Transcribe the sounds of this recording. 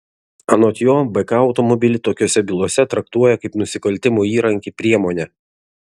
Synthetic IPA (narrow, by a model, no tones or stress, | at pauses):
ɐnoːt̪ʲjoːbɛkɐɐʊt̪ɔmɔbʲɪlʲɪt̪oːkʲoːsʲɛbʲɪlˠuɔsʲɛt̪ɾɐkt̪uɔjɛkɐɪpnʊsʲɪkɐlʲt̪ʲɪmuiːɾɐŋʲkʲiːpʲɾʲiɛmoːnʲɛ